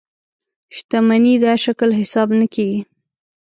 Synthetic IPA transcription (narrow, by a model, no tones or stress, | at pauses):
ʃt̪amanid̪aʃaklɦɪsɑbnəkeɡi